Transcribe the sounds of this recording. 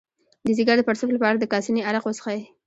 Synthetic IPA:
d̪əziɡaɾd̪əpaɾsʊflapɑɾad̪əkɑsiniaɾaqwosə̥xae

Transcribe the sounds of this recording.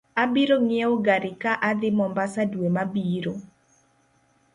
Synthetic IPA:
abiɾoŋeoɡaɾɪkaʔad̪ɪmɔmbasadwemabiːɾo

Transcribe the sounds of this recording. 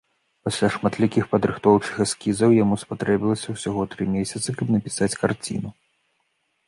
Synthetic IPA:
pasʲlʲaʂmat̪lʲikʲixpɐd̪ɾɨxt̪ɔwt͡ʂɨ̥xaskʲizɐwjamuspat̪ɾɛbʲilˠɐsʲɐwsʲaɣɔt̪ɾɨmʲesʲɐt̪sɨkɐbnɐpʲi̥sat͡sʲkart͡sʲḭnu

